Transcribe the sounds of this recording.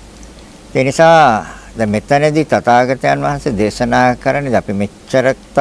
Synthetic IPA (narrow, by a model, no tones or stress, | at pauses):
eːnisaː | d̪ɛmet̪ɐned̪it̪at̪aːɡat̪əjanʋaɦansed̪eːʃənaːkəɾanːed̪apimet͡ʃːəɾəkt̪